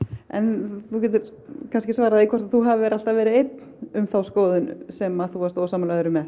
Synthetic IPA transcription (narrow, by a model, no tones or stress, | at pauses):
ɛ̰nθucɛːt̪ʏɾkʰanscɪsvaːɾaðikʰvɔɾt̪aθuɦavɛɾal̥t̪avɛːɾɪejt̪nʏmθawskoːwðʏnsɛmaðθuast̪oːsaːmalaðʏɾʏmɛ